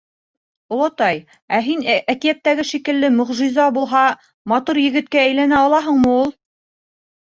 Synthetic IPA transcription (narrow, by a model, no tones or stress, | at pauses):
ŏlˠɑt̪ɑj | æɦinækijæt̪ːæɡɘʃikɘ̆lːɘmɵ̆ʁʒizɑbulˠɦɑ | mɑt̪uɾjɘ̆ɡɘ̆t̪̚kææjlænæɑlˠɑɦɤɴmɤulˠ